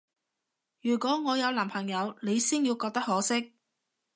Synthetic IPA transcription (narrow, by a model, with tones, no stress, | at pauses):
jyː˨˩kʷɔː˨˥ŋɔː˨˧jɐ˨˧wlaː˨˩mpʰɐ˨˩ŋjɐ˨˧wne˨˧jsiː˥nji˧wkɔː˧k̚t̪ɐ˥khɔː˨˥sɪ˥k̚